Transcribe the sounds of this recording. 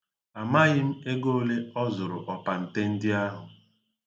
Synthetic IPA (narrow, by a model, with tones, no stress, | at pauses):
a˨ma˦ɣɪ˦m̩˦e˦ɡo˦le˦ɔ˦zʊ˨ɾʊ˨ʔɔ˨pa˨n̩˨te˦n̩˦dɪ˦a˦ɦʊ˨